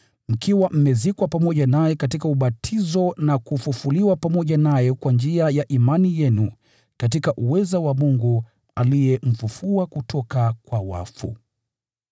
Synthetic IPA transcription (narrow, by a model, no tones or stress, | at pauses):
m̩kiwam̩mɛzikwapamɔʄanajɛkatikauɓatʰizɔnakufufuliwapamɔʄanajɛkwand͡ʒiajaʔimanijɛnu | katikaʔuwɛzawamuŋɡu | alijɛm̩fufuakutʰɔkakwawa̰fṵ